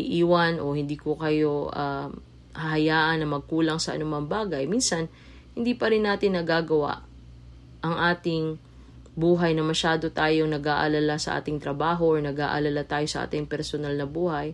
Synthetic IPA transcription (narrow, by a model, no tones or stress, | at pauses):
ɪ̰ʔiːwɐnʔo̞hɪnd̪iːkokɐjo̞ʔa̰ | hɐɦɐjaːʔɐnːɐmɐɡ̚kuːlɐŋsɐʔɐ̰nʊmɐŋbaːɡɐjminsɐn | hɪnd̪iːpɐɾɪnːaːt̪ɪnːɐɡaːɡɐwa̰ʔ | ʔɐŋʔaːt̪ɪŋ | buːɦɐjnɐmɐʃaːd̪ot̪aːjoŋnɐɡaʔɐlɐlasɐ̰ʔa̰ːt̪ɪŋt̪ɾɐbaːɦo̞ʔoɹnɐɡa̰ːʔɐ̰lɐlat̪aːjo̞sɐʔa̰ːt̪ɪŋpɛɾsonalnɐbuːhɐj